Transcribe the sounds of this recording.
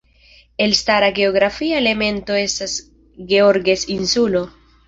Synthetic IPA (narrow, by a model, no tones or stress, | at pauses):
e̞lstaɾaɡe̞oɡɾafiaele̞me̞nto̞e̞stas | ɡe̞o̞ɾɡe̞sinsulo̞